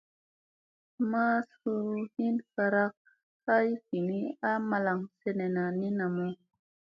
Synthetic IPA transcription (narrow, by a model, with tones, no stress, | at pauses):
ma˦su˧˦hi˦nfa˧ɾa˦k̚ | ha˦i˦fi˨ni˦a˦ma˧la˨ŋse˨ne˨na˨ni˦na˨mu˦